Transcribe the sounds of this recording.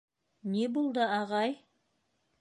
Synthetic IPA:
nebolˠd̪əɑʁɑj

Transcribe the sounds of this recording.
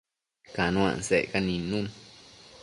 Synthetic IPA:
kanũã̰nsekanĩnũn

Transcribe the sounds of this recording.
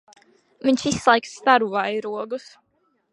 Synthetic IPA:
viɲʃislˠajkst̪aɾuvajɾuɔɡus

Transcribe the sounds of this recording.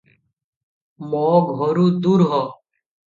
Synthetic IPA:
moːɡʱɦoːɾuːd̪uːɾɦoː

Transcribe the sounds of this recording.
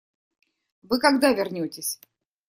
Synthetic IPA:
vɨkɐɡd̪avʲɪrnʲotʲɪsʲ

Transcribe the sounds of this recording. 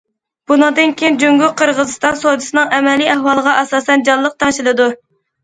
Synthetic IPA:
b̥unɨŋd̪ɨnkʲʰejind͡ʒyŋɡʊqʰəɾʁəzɨst̪ɑnsod̪ɨsɨnɨŋɛmɛliæhwɑlˠəʁɑʔɛsɑːsɛnd͡ʒɑlˠlːˠəq̚t̪ʰɑŋʃilˠɨd̪u

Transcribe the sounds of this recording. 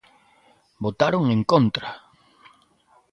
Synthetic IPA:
bot̪aɾoŋẽŋkont̪ɾa

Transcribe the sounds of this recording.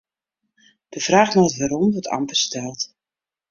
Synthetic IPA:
d̥əv̥raːxnɔətʋaːɾɔmdɔtʰɑ̰mpərstɛlˠt

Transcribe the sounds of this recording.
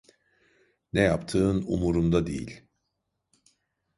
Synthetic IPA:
nɛjapt̪ʰɯːnṵmuɾumd̪ad̪ḛjḭlʲ

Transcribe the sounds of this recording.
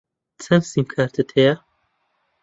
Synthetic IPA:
t͡sʰɐmsimkʰaːɾt̪ʰɨt̪ʰeja

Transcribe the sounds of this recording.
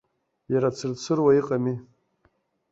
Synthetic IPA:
jaɾat͡sʰɨrt͡sʰɨrwaiqʼami

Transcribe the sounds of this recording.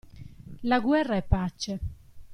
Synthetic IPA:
laɡwɛrːaɛpːat͡ʃːe

